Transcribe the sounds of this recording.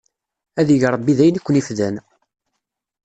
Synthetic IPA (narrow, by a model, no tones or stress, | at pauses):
æðəʝɾˤəbːiðæjnikʷːənifðæn